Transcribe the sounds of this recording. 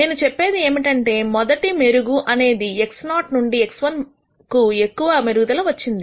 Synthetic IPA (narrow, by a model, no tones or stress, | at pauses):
ne̞ːnut͡ʃepːe̞ːd̪ie̞ːmiʈɐɳʈe̞ːmɔd̪ɐʈimeɾuɡuʔɐne̞ːd̪ieksnaːʈnuɳɖieksʋɐn | kue̞kːuʋɐmeɾuɡud̪ɐlɐːʋɐt͡ʃːind̪i